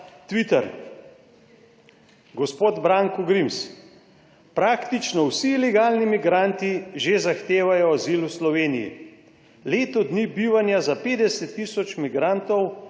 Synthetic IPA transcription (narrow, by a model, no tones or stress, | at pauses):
t̪ʋit̪ɛɾ | ɡɔspoːd̪bɾaŋkɔɡɾims | pɾaːkt̪it͡ʃnɔwsilɛɡaːlnimiɡɾant̪iʒezaxt̪eːʋajɔaziːluslɔʋeːnijḭ | leːt̪ɔd̪nibiːʋanjazapeːd̪ɛsɛt̪ːisɔt͡ʃmiɡɾant̪ɔw